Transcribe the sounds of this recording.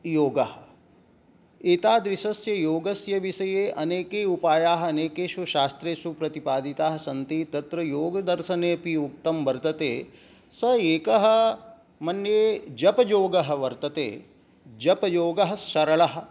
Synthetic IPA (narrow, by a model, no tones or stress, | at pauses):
joːɡɐɦɐ̆ | et̪aːd̪ʋisɐsjɐjoːɡɐsjɐʋiʃɐjeːʔɐneːkeːupaːjaːɦɐ̆ɐneːkeːʃuʃaːst̪ɾeːʃupɾɐt̪ipaːd̪ʱit̪aːɦɐsɐnt̪iːt̪ɐt̪ɾɐjoːɡɐd̪ɐɾʃɐneːpiuk̚t̪ɐmʋɐɾt̪ɐt̪eː | sɐeːkɐɦɐ̆ | mɐnjeːd͡ʒɐpɐd͡ʒoːɡɐɦɐ̆ʋɐɾt̪ɐt̪ḛː | d͡ʒɐpɐjoːɡɐɦɐ̆sʃɐɾɐɭɐɦɐ̆